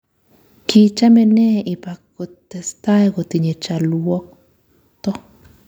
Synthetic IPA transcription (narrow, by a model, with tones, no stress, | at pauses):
ki˧t͡ʃa˦me˧ne˦i˨pa˨ko˧t̪e˨st̪a˦jɡo˨t̪i˨ɲe˨t͡ʃa˨luo˦k̚ | t̪o˦